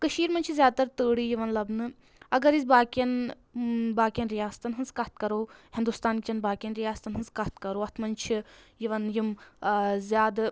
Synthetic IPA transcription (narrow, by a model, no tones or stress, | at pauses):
kɐʃiːɾmɐnʲt͡ʃʰizjaːd̪̚t̪ɐɾt̪əːɽiːjiʋɐnlɐbnɨ | ɐɡɐɾizʲbaːkɐn | baːkʲjɐnɾijaːst̪ɐnɦɐnzkɐt̪ʰkɐɾoːhind̪ust̪aːnkʲit͡ʃɐnbaːkʲjɐnɾijaːst̪ɐnɦɐnzkɐt̪ʰkɐɾoːɐt̪ʰmɐnt͡ʃʰijiʋɐnjim | zʲjaːd̪